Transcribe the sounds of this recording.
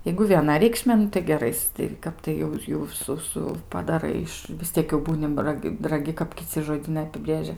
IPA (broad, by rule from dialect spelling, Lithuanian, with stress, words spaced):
jɛɪɡʊ ʋʲiɛˈnɐ rʲɛɪkˈʃʲmʲeː ˈnʊ tɐɪ ɡʲɛˈrɐɪs tɐɪ ˈkɐp tɐɪ jɛʊ ˈjɛʊ ˈsʊ ˈsʊ pɐdɐˈrɐɪ ɪʃ ʋʲɪs ˈtʲiɛk jɛʊ ˈbuːnʲɪ rɐˈkʲ rɐˈɡʲɪ kɐp kʲɪˈt͡sʲɪ ʒoːˈdʲiːnɐɪ ɐpʲɪˈbʲrʲeːʒʲɛ